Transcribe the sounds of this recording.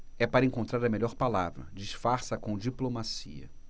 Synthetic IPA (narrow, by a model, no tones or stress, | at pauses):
ɛpaɾɐẽŋkõnt̪ɾaɾɐmeʎɔɾpalavɾɐ̰d͡ʒiʃfaɾsɐkõw̃d͡ʒiplomasiɐ̰